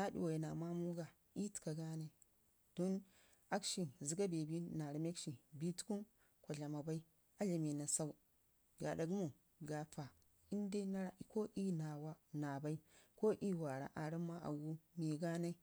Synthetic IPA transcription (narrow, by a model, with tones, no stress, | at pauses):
na˦dḭ˨wa˨ji˨na˨ma˦mu˦ɡa˨ | i˦ti̥˨ka˨ɡa˦na˦i˦˨ | d̥o˦n | a˦kʃi˨zi˨ɡa˦be˨bi˦na˨ɾi˨me˦kʃi˨bi˦tu̥˦ku˦n | kʷo˨ɮa˨ma˨ba˦i˦ | a˦ɮa˨me˨na˨sa˦u˦ | ɡa̰˨da˨ɡmo˨ | ɡa˨fa˨ | i˦n˦de˦na˦ɾa˨ko˦ʔi˦na˨wa˦na˨ba˦i˦ko˦ʔi˦wa˨ɾa̰˨ʔa˨ɾi˦mːa˦ʔa̰˨wu˦mi˨ɡa˦na˦i˦